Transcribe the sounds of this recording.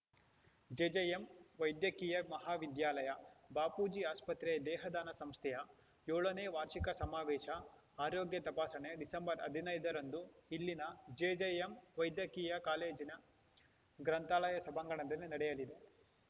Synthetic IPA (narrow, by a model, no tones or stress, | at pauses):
d͡ʒeːd͡ʒejemʋɐjd̪jɐkiːjɐmɐɦaːʋid̪jaːlɐjɐbaːpuːd͡ʒiaːspɐt̪ɾɛːd̪ɛːɦɐd̪aːnɐsɐmst̪ʰɛjɐ | joːɭɐneːʋaːɾʃikɐsɐmaːʋɛːʃɐ | aːɾoːɡjɐt̪ɐpaːsɐɳeɖisɐmbɐɾɐd̪ʱinɐjd̪ɐɾɐnd̪uilːinɐd͡ʒeːd͡ʒejemʋɐjd̪jɐkiːjɐkaːleːd͡ʒinɐ | ɡɾɐnt̪aːlɐjɐsɐbʱɐŋɡɐɳɐd̪ɐlːinɐɽɛjɐlid̪e